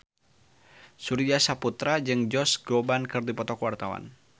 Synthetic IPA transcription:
suɾiasaput̪ɾad͡ʒɨŋd͡ʒɔsɡ̥obankɨrdipɔt̪ɔkwart̪awa̰n

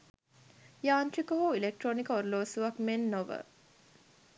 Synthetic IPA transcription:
jaːnʈɾikoɦuilek̚ʈronikoɾloːsuʋɐkmenːoʋə̰

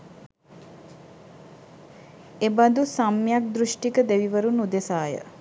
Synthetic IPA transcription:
ebad̪usamːjak̚d̪ɾuʃʈikəd̪eʋiʋəɾunud̪esaːjə̰

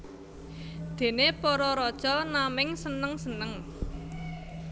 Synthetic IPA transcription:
d̪̥e̤nepɔɾɔɾɔd̥ʒ̥ɔlnamɪŋsənəŋsənəŋ

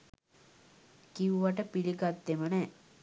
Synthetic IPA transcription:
kiuʋaʈəpilikat̪ːemənɛ

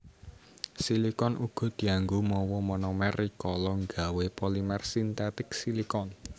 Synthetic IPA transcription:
silikɔnʔuɡ̥ɔ̤d̪̥i̤aŋɡumɔwɔmɔnɔmɛrikɔlɔŋɡa̤wepɔlimɛrsint̪ɛt̪ɪksilikɔn

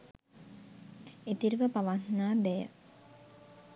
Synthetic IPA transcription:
et̪iɾʋəpaʋat̪naːbɛjə̰

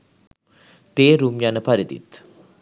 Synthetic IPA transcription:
t̪eːɾumjanəpaɾid̪ḭt̪

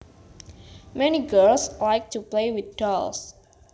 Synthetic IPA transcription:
mɛniɡɜlslajk̚tuplewit̪̚dɔls

